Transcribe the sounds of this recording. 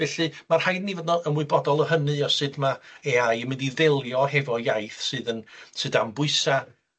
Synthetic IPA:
ɛɬɨmarhajnnːivɔdnɔənwɪɨbɔdɔlˠəɦənɨɔsɨdmaeajəmɪndiðelˠjɔɦɛvɔjajθsɨːðənsɨdambʊɨsa

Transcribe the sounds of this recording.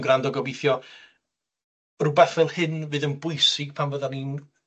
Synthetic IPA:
ɡrandɔɡɔbejθjɔ | rubɛθvɛlˠhɨnvɨːðənbʊɨsɪɡ̥̚pʰamvəðanin

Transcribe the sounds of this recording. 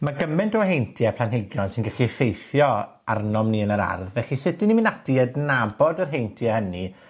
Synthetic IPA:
maɡəmɛntɔɦejntʰjɛpʰlˠanɦɪɡjɔnsɪnɡaɬifejθjɔ | arnɔmniənəɾa̰rðvɛɬisɪtɪniminadiədnabɔdərɦejntʰiɛhəni

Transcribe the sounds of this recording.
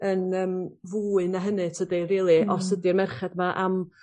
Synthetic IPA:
ənəːmvuːɨnaɦənɨtʰədiriːlˠiɔsədirmɛrχɛdmaʔam

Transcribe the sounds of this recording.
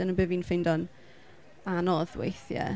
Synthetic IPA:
d̥ənəbəviːnfɪjndɔn | anɔðwḛjθjə̰

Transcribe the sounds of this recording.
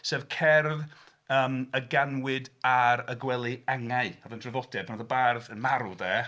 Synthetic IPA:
sɛvkʰɛrð | əːməɡanwɪdaɾəɡwɛlˠɨaŋaɨɔðənd̥rɛvɔdɛpʰanɔðəbarðənmaɾuðɛː

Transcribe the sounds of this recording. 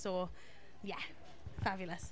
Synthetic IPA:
soː | jɛ | fabjl̩ˠəs

